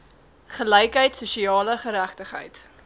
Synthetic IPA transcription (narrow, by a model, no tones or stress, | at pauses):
χəlɛjkɦəjtsuʃiɑːləχəɾæχtəχɦə̰jt